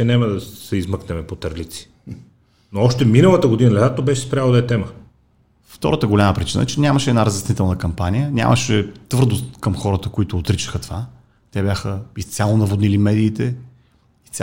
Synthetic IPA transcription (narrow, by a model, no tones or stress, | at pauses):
ɛnɛməd̪ɐsɛizmɤknɛmɛpot̪ɐɾlit̪si̥ | noɔʃt̪ɛminəlˠət̪əɡod̪inɐlɛd̪at̪obɛʃɛspɾʲalˠod̪ɐɛt̪ɛmə | ft̪ɔ̰ɾət̪əɡolʲaməpɾit͡ʃinə̰ɛt͡ʃɛnʲaməʃɛːd̪naɾəzɛsnit̪ɛlˠnəkɐmpanijənʲa̰mʔəʃɛt̪vɤɾd̪ost̪kəmxɔɾət̪əkoit̪ʊːt̪ɾit͡ʃə̥xət̪ova | t̪ɛbjaxəist̪sʲjalˠonɐvod̪nilimɛd̪iːt̪ɛ | issʲ